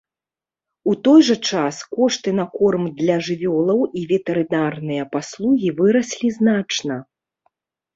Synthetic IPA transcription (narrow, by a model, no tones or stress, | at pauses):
ut̪ɔjʐɐt͡ʂaskɔʂt̪ɨn̪akɔrmd̪lʲɐʐɨvʲɔlˠɐwivʲɛt̪ɛɾɨnarnɨjɐpaslˠuɣʲivɨɾɐsʲlʲiznat͡ʂnɐ